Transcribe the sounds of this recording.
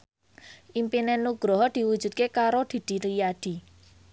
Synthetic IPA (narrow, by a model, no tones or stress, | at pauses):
ʔimpinɛnuɡ̥ɾɔɦɔd̪̥i̤wud̥d͡ʒ̥ṳd̪t̪̚kekaɾod̪̥i̤d̪̥i̤ɾijad̪̥i̤